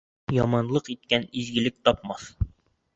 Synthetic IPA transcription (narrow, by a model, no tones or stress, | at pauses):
jɒmɑnlˠɤqit̪̚kænizɡɘ̆lɘk̚t̪ɒp̚mɑθ